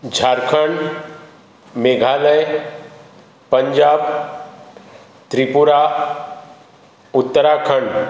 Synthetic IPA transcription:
d͡ʒʱaːɾkʰəɳɖ | meːɡʱaːləj | pə̃ɲd͡ʒaːb | t̪ɾipʊɾa | ʊt̪ːəɾakʰəɳɖ

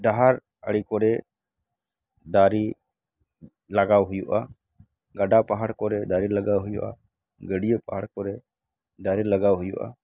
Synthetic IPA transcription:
ɖaɦaɾ | əɽikɔɾɛ | d̪aɾi | laɡawɦujuʔa | ɡaɖapaɦaɽkɔɾɛd̪aɾilaɡawɦujṵʔa̰ | ɡəɖijəpaɦaɽkɔɾɛ | d̪aɾilaɡawɦujṵʔa̰

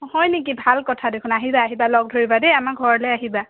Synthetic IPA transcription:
hɔjnek̬ibʱalkɔtʰadekʰʊnaɦibaːɦibalɔɡ̚dʱoɹibadejamakɡʱɔɹɔlɛaɦiba

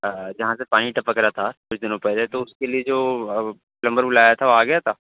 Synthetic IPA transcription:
d͡ʒɐɦãsepaːniʈɐpəkɾat̪ʰakʊt͡ʃʰd̪ɪnõpɛːlet̪oʊskelied͡ʒoː | lɐ̃mbəɾbʊlaːjat̪ʰaʋoaːɡɐjat̪ʰaː

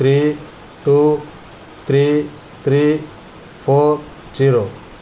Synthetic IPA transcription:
t̪ʰɾi | ʈu | t̪ʰɾi | t̪ʰɾi | pʰɔɾ | d͡ʒiɾo

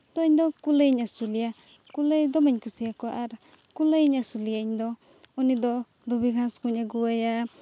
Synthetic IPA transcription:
t̪ɔiɲd̪ɔkuləjɲasulija | kuləjd̪ɔmaɲkusijakɔʔaɾ | kuləjɲasulijaiɲd̪ɔ | unid̪ɔ | d̪ubiɡʱãskuɲaɡuwaja

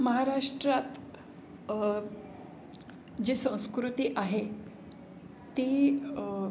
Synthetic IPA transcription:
məɦaɾaʂʈɾat̪ | d͡ʑisə̃w̃skɾut̪iːʔaɦe | t̪iː

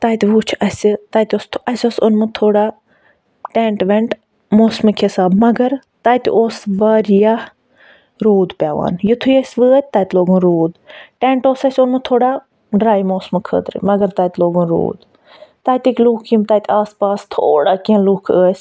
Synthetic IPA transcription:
t̪aːjt̪iʋuːt͡ʃʰɐst̪aːjt̪ʲoːst̪ʰɐsʲoːsʊnmɨt̪ʰoːɽaː | ʈẽːɳʈʋeɳʈ | moːsmɨkʰɪsaːbmɐɡɐɾ | t̪aːjt̪ḭʔoːsʋaːɾja | ɾoːd̪pʲjaːʋa̰ːnjɪt̪ʰujɐsʋɨːət̪̚ʲt̪aːt̪loːɡũnɾoːd̪ʈẽːɳʈoːsɐsʲʊnmɨt̪ʰoːɽaː | ɖɾaːjmoːsmɨkʰə̰ːd̪ɾɨ̰mɐɡəɾt̪aːt̪ʲloːɡũːnɾo̰ːd̪ | t̪aːjt̪ʲikʲluːkʰimt̪aːjt̪ʲiaːspaːst̪ʰo̰ːɽaːkiɐ̃luːkʰəːsʲ

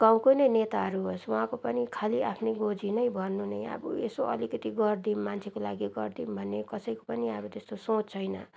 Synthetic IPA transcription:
ɡ̥aw̃konʌjnet̪aɦʌɾuɦoswaɦãkopʌnikʰaliapʰneɡod͡zinʌjbʱʌrnunʌja̰bṵesoʌ̰likʌt̪iɡʌrd̪inmant͡sʰekola̰ɡiɡʌrd̪imbʱʌnːekʌsʌjko̥pʌniabʌt̪est̪osõt͡st͡sʰʌjnʌ

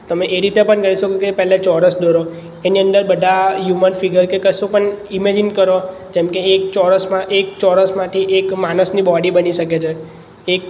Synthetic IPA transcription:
t̪əmeʔeɾit̪epəɳkəiʃokokepɛɦlet͡ʃɔɾəsd̪oɾo | eniənd̪əɾbəd̪ʱajumənfiɡəɾkekəsũpəɳimed͡ʒinkəɾod͡ʒemkeːk̚t͡ʃɔɾəsmãʔek̚t͡ʃɔɾəsmãt̪ʰiʔekmanəsnibɔɖibəniʃəket͡ʃʰeː | k̚

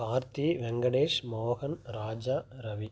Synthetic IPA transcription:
baːɾt̪iʋɛŋɡɐɽeːʂmoːɣɐnɾaːd͡ʒaːɾɐʋi

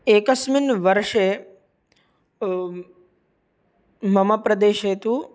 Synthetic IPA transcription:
eːkəsminʋəɾʃe | məmapɾəd̪eːʃet̪u

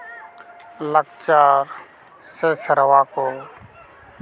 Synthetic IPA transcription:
lək̚t͡ʃaːɾ | seːsəɾəʋaːkoː

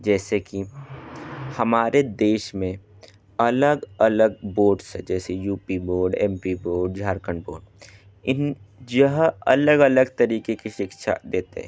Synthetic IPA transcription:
d͡ʒɛːseki | hɐmaːɾed̪eːʃmẽ | ɐləɡələɡ̚boːɖsɦɛ̃d͡ʒɛːsejuːpiboːɾɖɛ̃ːmpiboːɾɖ̚d͡ʒʱaːɾkəɳboːɖ | ɪnjəɦɐ̰ləɡələɡt̪ɐɾiːkekiʃɪkʃa̰d̪eːt̪ḛɦɛ̰̃

